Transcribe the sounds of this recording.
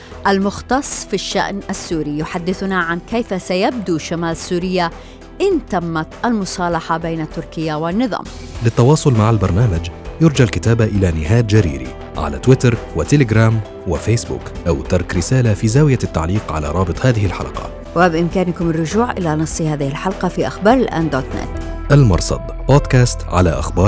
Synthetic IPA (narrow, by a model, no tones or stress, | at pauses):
ʔalmʊxt̪ɑsˤːfiʃːa̰ʔnʔasːuːɾijʊħad̪ːɪθʊnaʕankejfasajab̚d̪uʃamaːlasːuːɾɪjːa | ʔɪnt̪amːat̪ʔalmʊsˤɑːlɑħɑbeːnat̪ːʊɾkɪjːawɪnːɨðˤɑ̰ːm | lɪt̪ːɑwɑːsˤʊlmaʕalbɑɾˤnaːmad͡ʒjʊɾˤd͡ʒaʕlkɪt̪aːbaʔɪlanɪɦaːd̪d͡ʒaɾḭːɾḭ | ʕa̰la̰t̪wɪt̪ɑɾˤwɪt̪ɪlɪɡɾaːm | wɪfeːsbṵːkʔawt̪ɑɾˤkɾɪsaːlafizaːwɪjat̪ːa̰ʕliːqʕa̰la̰ɾˤɑːbɨt̪ˤhaːðɪhɪlħa̰lqɑ̰ | wɪbʔɪmkaːnkʊmɪrːʊʒuːʕʔɪlanɨsˤːhaːðɪhɪlħalqɑfiʔaxbɑːɾˤɪlʔa̰ːnd̪oːt̪nɛ̰t̪ʔalmɑ̰ɾˤsˤɑ̰d̪boːd̪kaːst̪ʕa̰laʔaxbɑːɾˤ